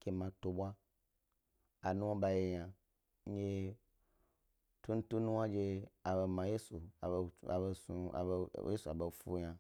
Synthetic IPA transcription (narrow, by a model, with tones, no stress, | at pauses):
kʲe˧mã˧to˧ɓʷa˦ | a˨nũ˦wa˦ba˧je˧jã˧˦ | e˦ | tu˦n̩˦tu˦nũ˦wa˦d͡ʒe˧a˨be˧mã˨je˦sṵ˨e˧sṵ˧˨˧je˦su˨a˨be˨fu˦ɲã˧